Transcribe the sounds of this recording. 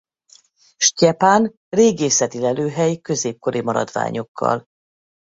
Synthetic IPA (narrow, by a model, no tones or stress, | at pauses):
ʃcɛpaːn | reːɡeːsɛt̪ilɛløːɦɛjkø̞zeːp̚ko̞ɾʔimɒɾɒ̰d̪va̰ːɲo̞kʰːɒ̰l